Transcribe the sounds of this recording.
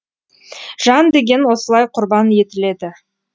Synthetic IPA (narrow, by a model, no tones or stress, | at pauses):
ʒ̥ɑnd̪e̞ɡʲe̞nwo̞səlˠɑjqʰʊɾbɑnje̞t̪ɪle̞d̪ɪ